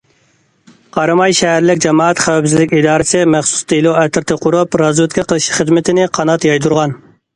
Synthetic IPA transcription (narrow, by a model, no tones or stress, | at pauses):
qʰɑɾɨmɑjʃɛɦæɾlɪkʲd͡ʒɑmɑːɑt̪χæwɛpsɪzlɪkʲid̪ɑːɾɨsɪmæχsu̥sd̪ilˠuɛt̪ʰɪɾt̪ʰɪqʰʊɾupɾɑzwɪt̪̚ʲkʲɛqʰəlˠɨʃχəzmɪt̪ʰɪnɪqʰɑnɑt̪jɑjd̪uɾʁɑn